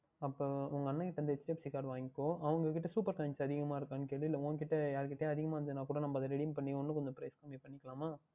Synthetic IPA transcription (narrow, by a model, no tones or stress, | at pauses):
ɐpːoːʊŋɡɐɐnːɐkɪʈːɐɾnd̪ɐɛt͡ʃːɪʈepsɪkaːɾɽʋaːŋɡɪkːõːʔɐʋɐŋɡɐkɪʈːɐsuːpɐɾkɐɲt͡ʃɐðɪɣɐmaːɪɾɯkːaːnːɯkeːɭʋɪɪlːɐõːkɪʈːɐjaːɾkɪʈːeːɐðɪɣɐmaːɐnd̪ɯnãːkuːɽɐnɐmːbɐðɐɾɛɽɪmpɐɳːɪɔnːɯ̃kɔɲd͡ʒɐpɾɐɪskɐmipɐɳːɪkːɐlaːmaː